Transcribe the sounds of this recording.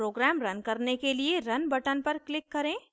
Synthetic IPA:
ɾoːɡɾɛːmɾɐnkɐɾnekelieɾɐnbɐʈənpɐɾklɪkːɐɾẽː

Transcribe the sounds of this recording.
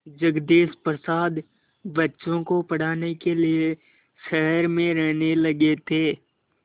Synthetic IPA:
d͡ʒəɡd̪eːspɾəsaːd̪ | bɐtːʃõkopɐɽ̤aːnekelie | ʃɛɦəɾmẽɾɛɦnelɐɡet̪ʰeː

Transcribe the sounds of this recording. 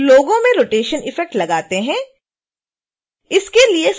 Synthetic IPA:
loːɡõmẽɾoːʈeːʃənɪfɛk̚ʈlɐɡaːt̪eɦɛ̃ː | ɪskelies

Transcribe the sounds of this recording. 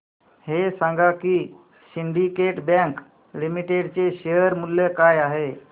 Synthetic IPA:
hesãŋɡʱakiː | siɳɖikeʈbɛ̃ŋk | limiʈeɖt͡seɕejəɾmulːekajaɦe

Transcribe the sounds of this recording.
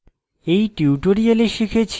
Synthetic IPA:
ejʈiuʈoɾijaleʃikʰet͡ɕʰ

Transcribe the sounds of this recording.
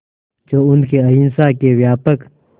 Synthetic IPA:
d͡ʒoːʊnkeɐinsaːkewjaːpək

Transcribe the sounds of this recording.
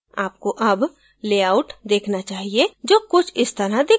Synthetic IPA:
a̰ːp̚koʔɐb | leːaːʊʈd̪eːkʰnat͡ʃaːɦied͡ʒoːkʊt͡ʃʰɪst̪ɐɾad̪eː

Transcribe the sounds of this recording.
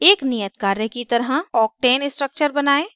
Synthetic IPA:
eːknijət̪kaːɾəkit̪əɾɦə̃ɔːk̚ʈɛːnɪsʈɾək̚t͡ʃəɾbɐnaːe

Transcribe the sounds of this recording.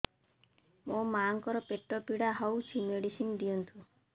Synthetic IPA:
mõmaŋkɔɾɔpeʈːɔpiɽaɦɔwt͡ʃʰimeɽisind̪ijɔnt̪ʰũ

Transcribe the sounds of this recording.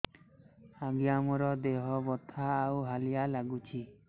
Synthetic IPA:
aɡiamɔɾɔd̪eɦɔbɔt̪ʰaːwɦalijalaɡut͡ʃʰi

